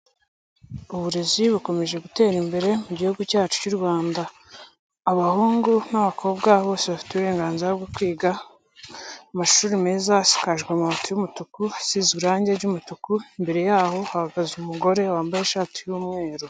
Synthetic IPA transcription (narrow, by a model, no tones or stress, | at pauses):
uβuɾeziβuko̞me̞ʒe̞ɡute̞ːɾimbe̞ɾe̞muɟihuɡucaːt͡ʃu̥cuɾɡwaːndaː | βahuːŋɡunaβakʰo̞b̚ɡaβo̞ːseβafi̥teβuɾe̞ːŋɡaːnziɾaβɡokwiːɡa | maʃuːɾime̞ːzasi̥kaʒɡweamaβatujumutukusizɡiɾaːɲɟeɾɟumutukuimbe̞ɾe̞jaːho̞hahaɡazumuɡo̞ɾe̞waːmbajeʃaːti̥juːmŋe̞ːɾo